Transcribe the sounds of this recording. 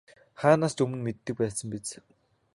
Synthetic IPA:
χaːnaːst͡ɕɵmɵ̆nmet̪ːɘ̆k̚pæːsə̆mpet͡s

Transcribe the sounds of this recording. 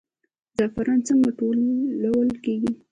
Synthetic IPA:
d̪afaɾɑnt͡səŋɡaʈolːawəlkeɡi

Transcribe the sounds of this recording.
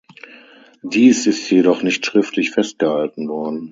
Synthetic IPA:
d̥iːsɪstjedɔχnɪçtʃʁ̥ɪftʰlɪçfɛst̚ɡ̥əhaltn̩vɔɐdn̩

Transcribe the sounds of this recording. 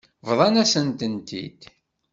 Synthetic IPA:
vðˤɑnæsənt̪ənt̪ḭd̪

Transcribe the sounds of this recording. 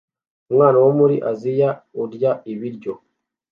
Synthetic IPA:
umŋaːnawomuɾḭʔazijauɾɟaiβiɾɟo

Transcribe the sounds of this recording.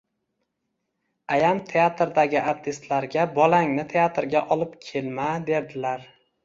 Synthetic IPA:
ajamt̪ʰe̞at̪ɾd̪aɡʲɪʔaɾt̪ʰɪst̪laɾɡʲabɒlaŋnɪt̪ʰe̞at̪ɾɡʲaʔɒlˠɪpkʲʰe̞lmad̪e̞ɾd̪ɪlaɾ

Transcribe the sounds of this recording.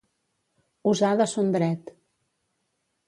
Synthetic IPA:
uzaðəsond̪ɾɛt̪

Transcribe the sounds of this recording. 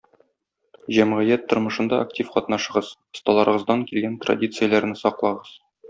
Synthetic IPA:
ʑæmʁɘjæt̪ːŏɾmɤ̆ʃɤ̆nd̪ɑʔaktʲifqɒt̪nɑʃɤ̆ʁɤz̥ŏst̪ɑlˠɑɾɤ̆ʁɤ̆zd̪ɑŋkilɡænt̪ra̰dʲit̪sɨjəlˠæɾnɘsɒqlˠɑʁɤz̥

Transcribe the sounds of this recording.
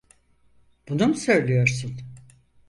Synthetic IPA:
b̥unumsøjlʲyjo̞ɾsun

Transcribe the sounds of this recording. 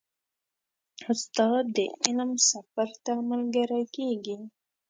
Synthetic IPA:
ʊst̪ɑd̪̚ːə̰ɪlmsafaɾt̪amalɡəɾakeɡi

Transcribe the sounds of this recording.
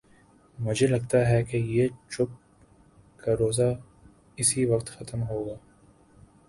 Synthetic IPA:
mʊd͡ʒʱelɐɡ̚t̪aɦɛkejet͡ʃʊp̚ | kaɾoːza | ɪsiʋɐqt̪xɐt̪əmɦoːɡaː

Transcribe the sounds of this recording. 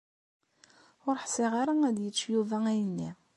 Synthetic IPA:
ʊɾħsɪʁaɾaæd̪jət͡sːjuvææjənːi

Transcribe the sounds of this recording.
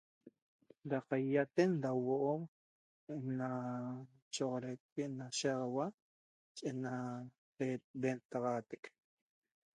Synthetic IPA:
daqajjat̪endawoʔom | na | t͡ʃoʁoɾekːeʔnaʃeʁɑwa | t͡ʃʼena | ebent̪ɑʁɑːt̪ek

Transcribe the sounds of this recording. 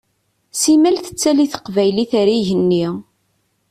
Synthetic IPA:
simælθə̥t͡sːæliθə̥qvæjliθæɾiʝənːi

